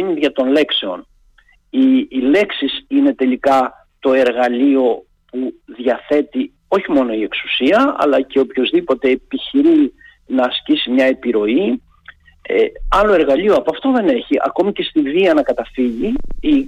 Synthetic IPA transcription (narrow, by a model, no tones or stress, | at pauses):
iniðʝɐt̪o̞nle̞kse̞o̞n | ile̞ksisine̞t̪e̞likɐ | t̪o̞e̞ɾɣɐlio̞ | puðʝɐθe̞t̪i | o̞çimo̞no̞ie̞ksu̥siɐɐ̰lɐce̞opço̞zðipo̞t̪e̞ːpiçiɾi | nɐːscisimɲɐe̞piɾo̞i | ḛɐlo̞e̞ɾɣɐʎioɐpoɐft̪oðe̞neçiʔɐ̰ko̞mice̞st̪iviɐnɐkɐt̪ɐfiʝii